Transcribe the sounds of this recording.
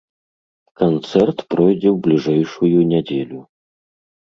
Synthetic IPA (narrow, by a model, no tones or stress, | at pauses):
kant̪sɛrt̪pɾɔjd͡zʲɛwblʲiʐɛjʂujunʲɛd͡zʲelʲu